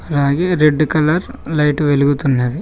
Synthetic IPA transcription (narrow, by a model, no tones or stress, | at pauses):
ɐɾaːɡiɾeɖːkɐlɐɾlɐjʈʋeluɡut̪unːeːd̪e